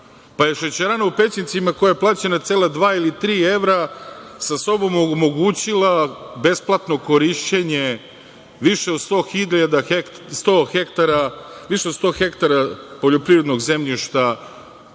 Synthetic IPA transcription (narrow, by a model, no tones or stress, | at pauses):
paje̞ʃet͡ɕeɾaːnaupe̞t͡ɕnit̪simako̞jajeplˠaːt͡ɕenat̪seːlad̪ʋaːilit̪ɾiːe̞ʋɾasaso̞bo̞momo̞ɡuːt͡ɕilˠabe̞splˠat̪no̞ko̞ɾiʃt͡ɕe̞ɲe̞ | ʋiʃeod̪st̪o̞ːxiʎad̪axek | st̪oxekt̪aɾaʋiʃeod̪st̪o̞ːxe̞kt̪aɾapo̞ʎo̞pɾivɾe̞d̪no̞ɡze̞mʎiʃt̪a